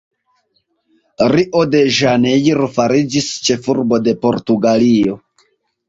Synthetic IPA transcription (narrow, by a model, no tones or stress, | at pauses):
ɾiʔo̞de̞ʒanejiɾfaɾid͡ʒist͡ʃe̞fuɾbo̞de̞po̞ɾtuɡalio̞